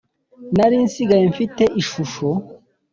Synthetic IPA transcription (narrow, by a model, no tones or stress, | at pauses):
naɾiːnsiɡajeɱfite̞ʔiʃuʃo